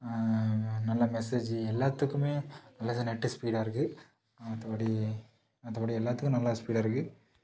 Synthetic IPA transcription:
nɐlːɐmɛsed͡ʒɛlːaːt̪ːɯkːɯmeːnɐlːaːðɐnɛʈːɯspiːɽaɪɾɯkːɯ | ɐðɐpɐɽi | ɐðɐpɐɽiɛlːaːɾt̪ːɯkːʊ̃nɐlːaspiːɽɐɪɾɯkːɯ

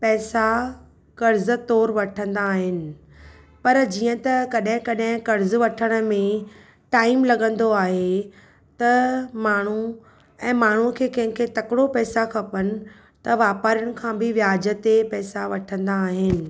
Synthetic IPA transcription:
pɛːsa | kɐɾzə̆t̪ɔːɾʋɐʈʰə̃nd̪aːɦɪnɪ̆ | pɐɾd͡ʑiːə̃t̪ɐkɐɗɦɪ̃kɐɗɦɪ̃kɐɾzʋɐʈʰəɽ̃ə̆mẽ | ʈaːɪmlɐɠə̃nd̪oaːɦe | t̪ɐmaːɳ̤u | ɛ̃ːmaːɳ̤ukʰeːkɐ̃ɦɪ̃kʰet̪ɐkɪɽopɛːsakʰɐpənɪ̆ | t̪ɐʋaːpaːɾəɽ̃ɪ̆kʰãːbɪʋjaːd͡ʑə̆t̪epɛːsaʋɐʈʰə̃nd̪aːɦɪnɪ̆

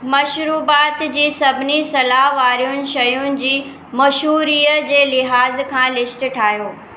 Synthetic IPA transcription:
mɐʃɾuːbaːt̪d͡ʑiːsɐbʱɪnisɐlaɦʋaːɾijʊnɪ̆ʃɐjʊnɪ̆d͡ʑiː | mɐʃuːɾiːəd͡ʑeːlɪɦaːzkʰãːlɪʃʈ̆ʈʰaːɦjoː

